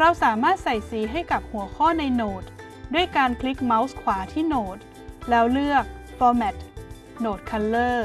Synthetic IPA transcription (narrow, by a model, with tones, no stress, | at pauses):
ɾa˧wsaː˩˦maː˥˩t̪̚sa˨˩jsiː˨˩˦ɦa˥˩jka˨˩p̚hu˨˩˦əkʰɔː˥˩na˧jnoː˨˩t̪̚ | du˥˩əjkaː˧nkʰli˦˥k̚ma˦˥wskʰwaː˩˦t̪ʰiː˥˩noː˨˩t̪̚ | lɛː˦˥wlɯ˥˩ək̚ | fɔː˧mɛ˨˩t̪̚ | noː˨˩t̪̚kʰa˧llɤː˥˩